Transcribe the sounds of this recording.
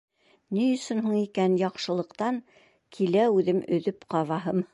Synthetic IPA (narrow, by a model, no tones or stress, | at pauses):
nɘjɵ̆sɵnɦuɴikænjɑqʃɤ̆lˠɤ̆qt̪ɑŋ | kʰilæʉðɘmɵ̆ðɵpqɑβɑɦɤm